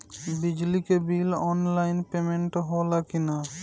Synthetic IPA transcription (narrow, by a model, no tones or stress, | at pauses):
bɪd͡ʒlikebiːlɔːnlaːɪnpeːmẽɳʈɦoːlakɪnaː